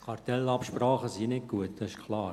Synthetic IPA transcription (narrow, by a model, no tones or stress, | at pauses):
kʰɑɾt̪ɛlɑpʃpɾɑːχəsinɪk̚ɡ̥uətd̥ɑɪʃkʰlɑː